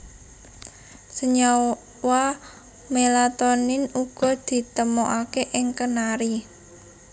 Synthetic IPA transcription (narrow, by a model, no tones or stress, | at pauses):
səɲa | wa | melat̪ɔnɪnuɡ̥ɔ̤d̪̥i̤t̪əmoʔakeʔɪŋkənaɾi